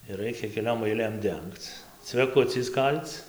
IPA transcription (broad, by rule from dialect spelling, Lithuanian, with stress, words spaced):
ɪr ˈrɐɪkʲɛ kʲɛˈlʲoːm ɐɪˈlʲeːm ˈdʲɛŋkt͡s t͡sʲʋʲɛˈkʊt͡sʲɛɪs ˈkɐlʲt͡s